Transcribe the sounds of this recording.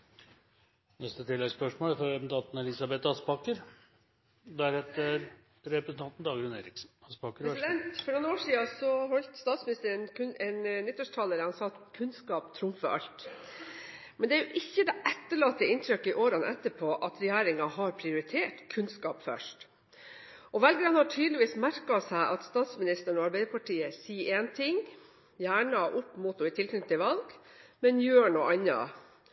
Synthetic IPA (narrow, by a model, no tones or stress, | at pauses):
nɛst̪ət̪ʰɪlːɛɡspœʂmoːlfɾɔɛmnt̪ʰɑt̪n̩ɛlɪsɑbɛt̪ɑspɑkəɾ | d̪æɾhɛt̪əɾ | ɾɛpɾəsnt̪ɑnt̪n̩d̪ɑːɡɾʉneːɾɪksn̩ɑspɑkəɾɾsɪd̪ɛɛnt̪fɔnoːnoːʂiːɑsɔhɔlt̪st̪ɑːt̪smɪnɪst̪əɾənkʰʉnɛnnɪt̪ːɔʂʈʰɑləɾəhɑnsɑːt̪kʰʉnskɑːpt̪ʰɾʊmfəɾʔɑ̰lt̪ | mɛnd̪ɛæjʊʔɪçːəd̪ɛʔɛt̪ːəɭɑːt̪ːəɪnt̪ʰɾʏkːɪʔoːɾɑnʔɛt̪ːəpʰɔʔɑt̪ɾɛjæːɾɪŋɑhɑɾpʰɾɪʊɾɪt̪ʰeːʈkʰʉnskɑ̰ːpfœ̰ʂʈ | ʔɔʋɛlɡɾɑnhɑʈʰyːd̪lɪʋiːsmæɾkɑsæɪʔɑt̪st̪ɑːt̪smɪnɪst̪əɳɔɑɾbæɪd̪əpʰɑʈʰiːəsiːʔeːnt̪ʰɪŋ | jæːɳɑʔʊpːmuːt̪ʊɪt̪ʰɪlk̪ʰnʏt̪ːɪʋɑlɡmɛnjøːɳuːʔɑnːɑ̰